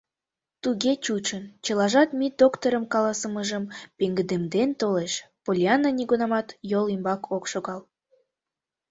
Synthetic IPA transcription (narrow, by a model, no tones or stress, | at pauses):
t̪uɣet͡ɕut͡ɕənt͡ɕəlɑʒɑt̪mid̪okt̪oɾəmkɑlɑsəməʒəmpeŋɡəd̪emd̪ent̪oleʃpolʲiɑnːəniɣunɑmɑt̪jolimbɑkʰokʃoɣɑl